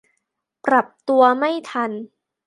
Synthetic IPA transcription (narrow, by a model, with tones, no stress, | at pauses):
pɾa˨˩p̚t̪u˧ɐma˥˩jt̪ʰa˧n